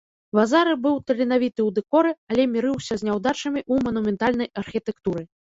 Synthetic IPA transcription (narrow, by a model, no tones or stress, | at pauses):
vazaɾɨbɨwt̪ɐlʲinavʲit̪ɨwd̪ɛkɔɾɨɐlʲɛmʲiɾɨwsʲɐzʲnʲawd̪at͡ʂɐmʲiʔumɐnumʲɛnt̪alʲnɐjɐrxʲit̪ɛkt̪uɾɨ